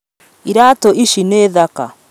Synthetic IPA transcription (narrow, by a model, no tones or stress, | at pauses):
iɾaːtoʔiʃineːðaka